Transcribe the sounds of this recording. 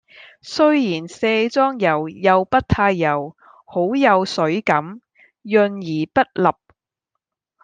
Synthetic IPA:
sɵ˥ɥjiː˨˩nseː˧t͡sɔː˥ŋjɐ˨˩wjɐ˨wpɐ˥t̚t̪ʰaː˧jːɐ˨˩w | ho˨˥wjɐ˨˧wsɵ˨˥ɥkɐ˨˥m | jɵ˧njiː˨˩pɐ˥t̚lɐ˨p̚

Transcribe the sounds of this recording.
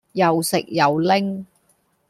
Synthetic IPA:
jɐ˨wsɪ̰˨k̚jɐ˨wlɪ˥ŋ

